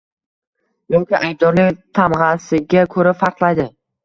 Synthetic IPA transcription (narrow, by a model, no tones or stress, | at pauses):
jɒŋkʲɪʔajb̚d̪ɒɾnɪŋt̪ʰamʁɑsɪɡʲakʰɵɾafɑɾqlˠajd̪ɪ